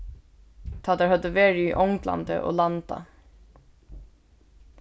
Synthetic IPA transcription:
t̪ʰat̪aɹhœd̪əʋeːɹɪiʔɔwŋkla̰nt̪ə̰ʔɔ̰ːlant̪a̰

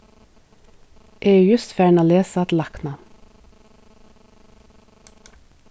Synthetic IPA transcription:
ʔeːjʉːjʉst̪fjæːɳoːleːsɑt̪lɑknɑ

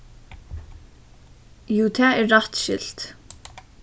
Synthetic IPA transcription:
juːt̪ʰæːɛɹːat̪ʃɪ̰l̥t̪

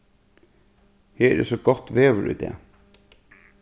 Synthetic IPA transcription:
heːɾɛ̰sɔɡɔt̪ːʋeːʋəɾʔḭːd̪ḛː

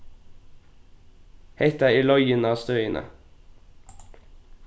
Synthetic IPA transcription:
heɪt̪æɪiːlœʏənɑːst̪œʏənʔə̰

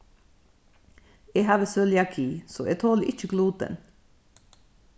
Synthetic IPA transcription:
eːhɑːʋəsœljɑkʰiːso̰ːʔeːt̪ʰoːləʔɪt͡ʃəɡluːd̪̚ɛ̰n

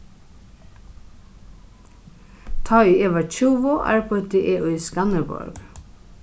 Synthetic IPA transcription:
t̪ʰɑiːeːʋɑt͡ʃuːʋɔʔæ̰ːɹpʰɔt̪eʔeːʔuːiːskɑnəbɔ̰ɹɡ̥

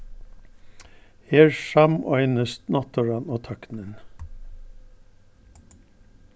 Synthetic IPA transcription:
heːɹʃɑmœʏnəst̪nɔt̪ʰəɹɑnoːt̪ʰɑknən

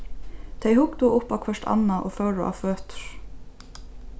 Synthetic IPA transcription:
t̪ʰeɪhʊk̚d̪uːʔʊpakʰʋœʂʈɑ̰nɑʔoːfœɹʊ̰ʔɑ̰føːt̪ɹ̥

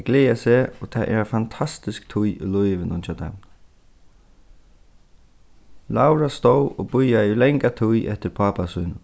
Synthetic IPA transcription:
ɡleːasɛːɔt̪ʰaʔɛ̰ɾafant̪ʰast̪ɪskt̪ʰʊjʏ̰lʊjʋɪnʊnt͡ʃat̪ʰa̰m | lawɾast̪owɔbʊjaɪlɛŋkat̪ʰujʔɛ̰ht̪ɪɾpʰaːpasʊjnʊ

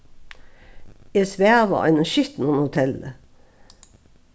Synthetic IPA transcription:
esʋæːʁʋɑ̰ɑ̰ɪnəʃʏt̪n̩ɔnhʊt̪ʰɛlə̰

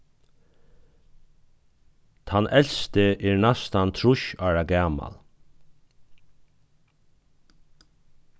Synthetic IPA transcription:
t̪ʰhɑnʔɛlst̪əʔeːɹnɑst̪ɑnt̪ʰɹʊʃɑːɹaɡæːmɑ̰l

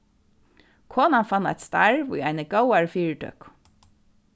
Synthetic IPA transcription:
kʰoːnɑnfɑnæ̰ɪt̪st̪ɑɹʋṵːæɪnəɡəʊɑɹfiːɹʈʰœ̰k

